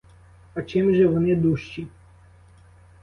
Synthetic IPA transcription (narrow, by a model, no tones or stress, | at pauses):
ɐt͡ʃɪmʒɛʋɔnɪd̪uʃt͡ʃi